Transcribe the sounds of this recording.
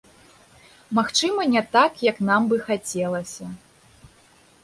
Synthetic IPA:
maxt͡ʂɨmɐnʲɛt̪akjɐknambɨxat͡sʲɛlˠɐsʲɐ

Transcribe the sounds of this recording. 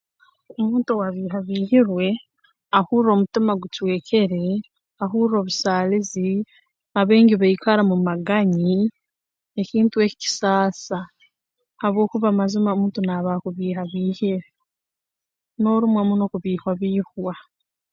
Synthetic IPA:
omuːntowaβiːɦaβiːhiɾwe̞ | ahuːɾɾo̞ːmutimaɡutwe̞ːcʰe̞ɾe̞ | aɦuɾiɾo̞βusaːlizi | aβe̞ːɲɟiβaikʰaɾamumaɡaɲi | eciːntue̞ci̥ci̥saːsa | haβwo̞ːkuβamazimamuːntonaːβakuβiːɦaβiːhiɾe | no̞ɾumwamuno̞kuβiːhwaβiːhwa

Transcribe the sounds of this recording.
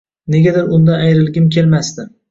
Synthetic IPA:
ne̞ɡʲad̪ɪɾʊnd̪aajɾɪlɡʲɪmkʲʰe̞lmasd̪ɪ

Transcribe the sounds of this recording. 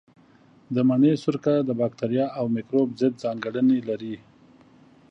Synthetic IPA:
d̪əmaɳesʊɾkad̪əbɑk̚t̪aɾjɑawmikɾobzəd̪̚zɑŋɡəɽənelaɾi

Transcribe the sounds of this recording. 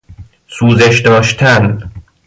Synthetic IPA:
suːzeʃd̪ɒːʃt̪ʰæn

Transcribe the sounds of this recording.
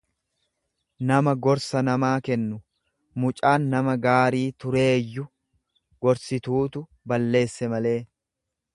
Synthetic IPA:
nɐmɐɡɔɾsɐnɐmaːkɛnːʊ | mʊt͡ʃʼaːnːɐmɐɡaːɾiːt̪ʊɾe̞ːjːʊ | ɡ̥ɔɾsɪt̪uːt̪ʊ | bɐlːe̞ːsːɛmɐle̞ː

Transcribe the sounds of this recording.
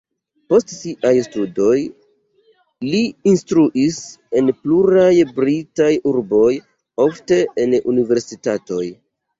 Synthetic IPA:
po̞stsiʔajstudo̞j | liinstɾuʔise̞npluɾajbɾitajuɾbo̞j | o̞fte̞ʔenṵnive̞ɾsitato̞j

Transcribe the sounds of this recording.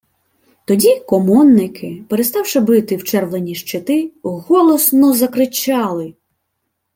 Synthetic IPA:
t̪ɔdʲikɔmɔnːɪkʰɪpeɾest̪ɑwʃɪbɪt̪ɪwt͡ʃɛrwlˠenʲiʃt͡ʃɪt̪ɪɣɔlˠɔsnɔzɐkɾɪt͡ʃɑlˠɪ

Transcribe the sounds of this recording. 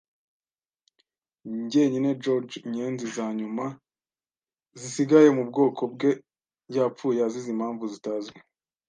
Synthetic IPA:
ɲɟe̞ɲined͡ʒoɾd͡ʒɲenzizaɲuma | zisiɡaje̞mubɡo̞ːko̞bɡe̞ | ɟaːpp͡fuːjazizimhaːɱvuzitazɡe

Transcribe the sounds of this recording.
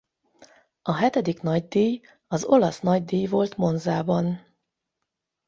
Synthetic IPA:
ʔɒɦɛt̪ɛd̪ikn̪ɒɟd̪iːj | ɒzo̞lɒsnɒɟd̪iːjvo̞lt̪mo̞nzaːbɒn

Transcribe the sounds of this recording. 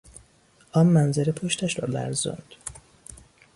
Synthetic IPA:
ʔɒːmːænzeɾepʰoʃt̪ʰæʃɾɒːlæ̰ɾzo̰nd̪̥

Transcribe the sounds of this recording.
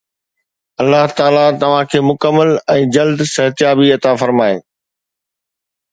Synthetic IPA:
ɐlːaɦt̪aːlat̪ɐʋ̤ãkʰeːmʊkəmːəlɛ̃ːd͡ʑɐld̪sɐɦt̪ɪjaːbiɐt̪afɐɾmaːḛː

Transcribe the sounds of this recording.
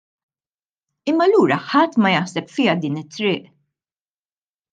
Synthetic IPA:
ɪmːɐlːuːɾɐħɐt̪ːmɐjɐħsɛpfɪjɐd̪iːnɪt̪ːɾɪːʔ

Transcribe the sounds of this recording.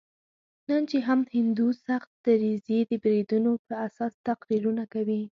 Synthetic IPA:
nənt͡ʃeɦamhɪnd̪usaxt̪̚d̪̥əɾized̪əbɾid̪unopəɾasɑst̪aqɾiɾunakawi

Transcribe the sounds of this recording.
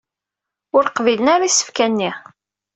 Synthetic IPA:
ʊɾqvilənaɾisːə̥fkænːi

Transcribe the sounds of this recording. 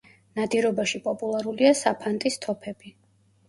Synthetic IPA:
nad̪iɾɔbaʃipʼɔpʼulˠaɾuliasapʰant̪ʼist̪ʰɔpʰɛbi

